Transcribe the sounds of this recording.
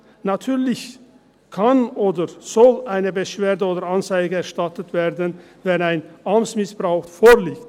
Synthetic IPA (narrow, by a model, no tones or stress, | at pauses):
natʰyːɐlɪç | kʰanʔoːdəz̥ɔlʔaɪnəbəʃv̥eːɐdəoːdəɐɾant͡saɪɡəɛɐʃtatətv̥eːɐdən | vɛnaɪnʔamt͡smɪsb̥ʁaʊxfoːliːkt